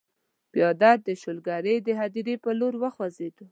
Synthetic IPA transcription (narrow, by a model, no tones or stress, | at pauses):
bjɑd̪aɾ̚d̪əʃolɡaɾəjd̪əɦad̪iɾepəloɾwəxwazed̪u